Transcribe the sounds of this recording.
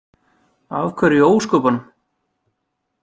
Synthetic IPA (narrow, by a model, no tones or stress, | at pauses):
avkʰvɛɾɪoːwskɔːpan